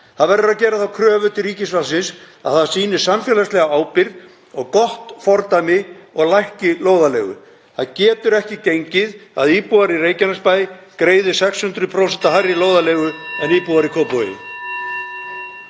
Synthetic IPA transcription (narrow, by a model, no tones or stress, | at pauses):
θaðvɛɾðʏɾaðcɛːɾaθawkʰɾœːvʏt̪ɪɾiːcɪsvalsɪns | a̰ðθaðsiːnɪ̥samfjɛːlaslɛɣaaːwpɪɾð | ɔɣkɔht̪fɔɾt̪ajmɪɔɣlajhcɪloːwðalɛːɣʏ̰ | θaðcɛːt̪ʏɾɛhcɪcejɲcɪða̰ðiːpuaɾireːjcɪnaspaːjkɾeːjðɪsɛkshʏnt̪ɾʏpʰɾowsɛnt̪aɦajrːiloːwðaleːɣʏɛniːpuaɾikʰɔːpo̰